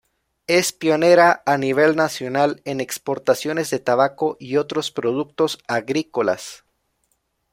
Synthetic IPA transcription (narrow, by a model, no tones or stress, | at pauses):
e̞spjo̞ne̞ɾaːniβ̞e̞lnasjo̞nale̞ne̞kspo̞ɾt̪asjo̞ne̞zðe̞t̪aβako̞ʔio̞t̪ɾo̞spɾo̞ðuk̚t̪o̞saɣɾiko̞la̰s